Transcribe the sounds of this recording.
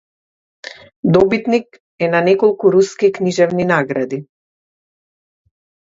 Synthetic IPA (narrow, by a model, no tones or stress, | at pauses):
d̪ɔbit̪nik | ɛnanɛkɔlˠkuɾuskikniʒɛvninaɡɾad̪i